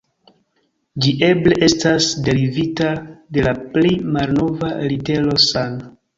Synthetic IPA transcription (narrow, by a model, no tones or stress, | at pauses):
d͡ʒiʔe̞ble̞ʔe̞stasde̞ɾivitade̞laplimalno̞valite̞lo̞sana